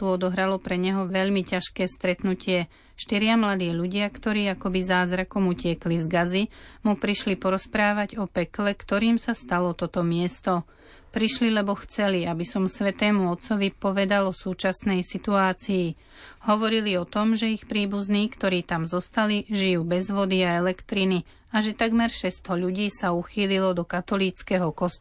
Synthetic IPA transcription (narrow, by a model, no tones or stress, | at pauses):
t̪uɔd̪ɔɦɾalɔpɾɛɲɛɦɔʋɛʎmicaʃkɛːst̪ɾɛt̪nucɪɛ | ʃt̪iɾɪamlad̪iːʎuɟɪakt̪ɔɾiːakɔbizaːzɾakɔmucɪɛklizɡazimupɾiʃlipɔɾɔspɾaːʋaɟɔpɛklɛkt̪ɔɾiːmsast̪alɔt̪ɔt̪ɔmɪɛst̪ɔ | pɾiʃlilɛbɔxt͡sɛliabisɔmsʋɛt̪ɛːmuɔt̪t͡sɔʋipɔʋɛd̪alɔsuːt͡ʃasnɛjsit̪uaːt͡siː | ɦɔʋɔɾiliɔt̪ɔmʒɛixpɾiːbuzniːkt̪ɔɾiːt̪amzɔst̪aliʒijuːbɛzʋɔd̪iaɛlɛkt̪ɾini | aʒɛt̪aɡmɛɾʃɛst̪ɔʎuɟiːsauxiːlilɔd̪ɔkat̪ɔliːt͡skɛɦɔkɔst̪